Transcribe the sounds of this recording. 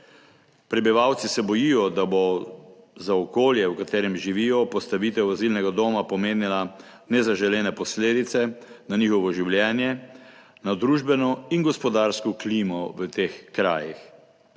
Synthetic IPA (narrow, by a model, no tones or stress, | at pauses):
pɾɛbiʋawt̪sisɛbɔjijɔd̪abo | zaɔkoːljɛwkat̪eːɾɛmʒiʋiːjɔpɔst̪aʋiːt̪ɛwazilnɛɡad̪oːmapɔmeːnila | nɛzaʒɛlɛːnɛpɔsleːd̪it̪sɛnanixɔʋɔʒiwljɛːnjɛ | nad̪ɾuːʒbɛnɔinɡɔspɔd̪aːɾskɔkliːmɔʋət̪eːxkɾaːjix